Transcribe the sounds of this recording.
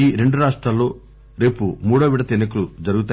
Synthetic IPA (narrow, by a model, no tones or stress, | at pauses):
iːɾe̞ɳɖuɾaːʂʈɾaːlːo̞ː | ɾe̞ːpumuːɽoːʋiɽɐt̪inɐkɐlud͡ʒɐɾuɡut̪aː